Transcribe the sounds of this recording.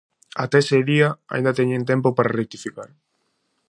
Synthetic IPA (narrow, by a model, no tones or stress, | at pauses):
at̪eseðiaa̰ind̪at̪eɲent̪̬empopaɾarek̚t̪ifikaɾ